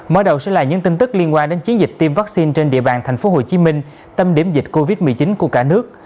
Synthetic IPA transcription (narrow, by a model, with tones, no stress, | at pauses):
məː˧˨˦jɗə˨˩wsɛ̰˧˥laː˨˩ɲɨ̰˧˥ŋt̪ï˧ŋ̟t̪ɨ˦˥k̚li˧ənkwaː˧nɗe˨˦nt͡ɕi˨˦ənzi˨˩k̟̚t̪i˧mvaː˦˥k̚si˧nt͡ɕe˧nɗḭ˧əɓaː˨˩nt̪ʰɛ˨˩jŋ̟fo˨˦ɦo˨˩t͡ɕi˨˦mï˧ŋ̟ | t̪ə˧mɗi˧˩əmzi˨˩t̟̚ko˧vi˦˥t̚mɨ˨˩əjt͡ɕi˨˦nku˧˩əkaː˧˩nɨ˦˥ək̚